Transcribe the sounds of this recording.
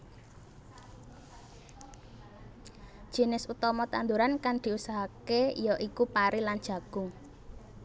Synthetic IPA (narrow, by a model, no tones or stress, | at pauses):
d͡ʒ̥i̤nɪsut̪ɔmɔt̪and̪uɾankaŋd̪̥i̤usaɦakeijɔʔikupaɾilan̥d͡ʒ̥ä̤ɡ̥ʊŋ